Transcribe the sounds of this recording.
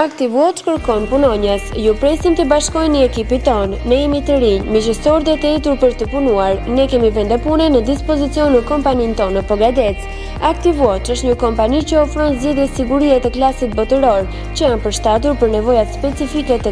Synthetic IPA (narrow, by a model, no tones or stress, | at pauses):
akt̪ivuɔt̪kəɾkɔnpunɔɲəsjupɾɛsint̪ibaʃkɔjnəɛkipit̪ɔnːəimit̪əɾiɲmiʃəsɔɾt̪ɛt̪əɛt̪uɾpəɾt̪əpunuaɾnɛkɛmivɛnd̪ɛpunɛnəd̪ispɔzit͡siɔnːəkɔmpanint̪ɔnəpɔɡad̪ɛt͡s | akt̪ivuɔt̪əʃt̪ɲəkɔmpanit͡ɕəɔfɾɔnzd͡ʑiðɛsiɡuɾiat̪ɛklasit̪̚bɔt̪əɾɔɾ | t͡ɕəjanpəɾʃt̪at̪̬uɾpəɾnɛvɔjat̪spɛt͡sifikɛt̪ə